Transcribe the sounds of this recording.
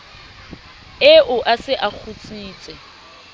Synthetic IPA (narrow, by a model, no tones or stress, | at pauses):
ɪʔʊʔasɪʔak͡xʰut͡sʼiːt͡sʼɛ